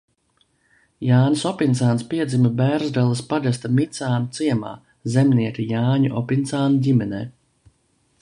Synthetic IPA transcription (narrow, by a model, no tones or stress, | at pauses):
jaːnʲsɔpint̪saːnspiɛd̪zimabæːɾzd̪alˠaspaɡas̬t̪amit̪saːnut̪siɛma̰ː | zɛmniɛkʲijaːɲuʔɔpint̪saːnuɟʲimɛnɛ̰ː